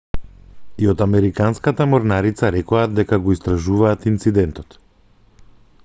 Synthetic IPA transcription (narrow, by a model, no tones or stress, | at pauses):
iɔt̪amɛɾikanskat̪amɔɾnaɾit̪saɾɛkɔad̪ːɛkaɡɔist̪ɾaʒuvaːt̪int̪sid̪ɛnt̪ɔt̪